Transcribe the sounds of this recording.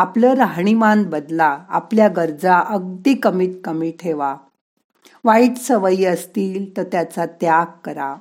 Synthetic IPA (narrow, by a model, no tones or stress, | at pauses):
apləːɾaɦɳ̃imãnbəd̪laa̰pljaɡəɾd͡zaʔəɡ̚d̪ikəmiːt̪̚kəmiːʈʰeʋa | ʋaiːt͡s̪səʋəiːəst̪iːlt̪əɾt̪jat͡sat̪jaɡkəɾa̰